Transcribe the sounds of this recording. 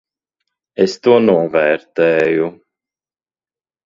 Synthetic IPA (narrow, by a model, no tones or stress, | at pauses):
ɛst̪uɔnɔvɛɾt̪ɛju